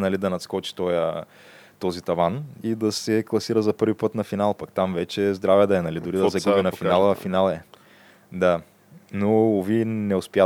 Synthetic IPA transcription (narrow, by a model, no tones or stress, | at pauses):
nɐlid̪ɐnɐt̪skɔt͡ʃi̥t̪ɔjə | t̪ɔzit̪ɐvanid̪ɐsɛklˠɐsiɾəzɐpɤɾvipɤt̪nɐfinalˠpɐkt̪amvɛt͡ʃɛzd̪ɾavɛd̪ɐɛnɐlid̪ʊɾid̪ɐzɐɡuinɐfinalˠəfinalˠɛ | d̪a | noovinɛʊspja